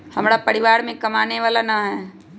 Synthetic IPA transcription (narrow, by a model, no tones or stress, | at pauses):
hɐmɾapɐɾiʋaːɾmẽkɐmaːneʋaːlanaɦɛː